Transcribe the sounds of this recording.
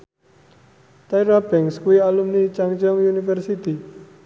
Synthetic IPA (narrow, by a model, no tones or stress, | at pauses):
t̪ajɾabɛŋskuialumnit͡ʃaŋt͡ʃɔŋjunifərsit̪i